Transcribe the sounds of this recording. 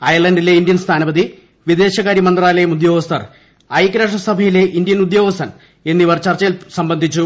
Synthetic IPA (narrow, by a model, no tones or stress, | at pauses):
ɐjɐɭɐndile̞ind̪jɐnst̪ʰaːnɐbɐd̪i | ʋid̪e̞ːɕɐɣaːɾjiɐmɐnd̪raːlɐjumud̪jo̞ːɡɐst̪ʰɐ̰r | ɐjkɾɐːʂ̬ɐsɐbʱɐjile̞ʔind̪ijɐnud̪jo̞ːɡɐst̪ʰɐn | e̞nːiʋɐrt͡ɕɐrt͡ɕːɐilsɐmbɐnd̪ʱit͡ɕːu